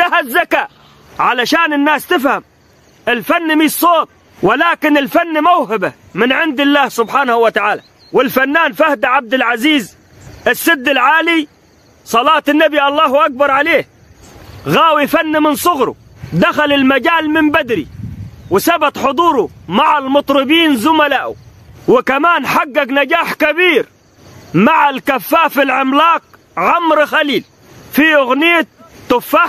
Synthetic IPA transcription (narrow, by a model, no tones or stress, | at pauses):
d̪aɦazːakaː | ʕalaʃaːnɪnːaːst̪ɪfham | ʔɪlfanːmiːsˤːoːn | wɪlaːkɪnɪlfanːmawɦaba | mɪnʕɪnd̪ɪlːaːhsʊbħaːnahawat̪aʕaːla̰ | wɪlfanːaːnfahd̪aʕab̚d̪ɪlʕaziːz | ʔɪsːɪd̪ːɪlʕaːli | sˤɑlɑːt̪anːabiʔɑlˤːɑːhʔak̚bɑɾˤʕaleːh | ɣaːwifanːimɪnsˤʊɣɾṵ | d̪axalɪlmaɟaːlmɪmbad̪ɾḭwɪsabat̪ħʊd̪ˤuːɾumaʕalmʊt̪ˤɾɨbiːnzʊmalaːʔṵ | wɪkamaːnħaɡːaɡnaɡaːħkabiːɾ | maʕalkafːaːfilʕɪmlaːq̚ | ʕamɾxaliːl | fiʔʊɣnɪjat̪ːʊfːaħ